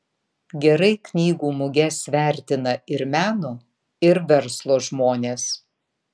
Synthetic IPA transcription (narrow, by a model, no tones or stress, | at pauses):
ɡʲɛɾɐɪknʲiːɡuːmʊɡʲɛsʋʲæˑɾʲt̪ʲɪnɐɪɾmʲæːnoː | ɪɾʋʲɛɾslˠoːʒmoːnʲeːs